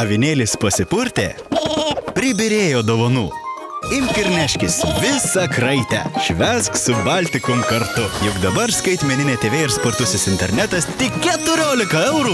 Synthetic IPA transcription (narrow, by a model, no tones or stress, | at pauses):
ɐʋʲɪnʲeːlʲɪspɐsʲɪpʊɾʲt̪ʲḛː | pʲɾʲɪbʲɪɾʲeːjoːd̪oːʋɐnuː | ɪmʲkʲɪɾʲnʲæʃʲkʲɪsʋʲɪsɐkɾɐɪt̪ʲæ̰ʃʲʋʲɛsksʊbɑlʲt̪ʲɪkʊmkɐɾt̪ʊjʊkd̪ɐbɐɾskɐɪt̪ʲmʲɛnʲɪnʲeːt̪ʲeːʋʲeːɪɾspoɾt̪ʊsʲɪsɪnʲt̪ʲɛɾʲnʲæt̪ɐst̪ʲɪkkʲɛt̪ʊɾʲoːlʲɪkɐɛʊɾuː